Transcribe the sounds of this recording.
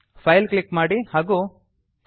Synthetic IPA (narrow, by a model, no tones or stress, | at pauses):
pʰɐjlklikːmaːɽihaːɡu | k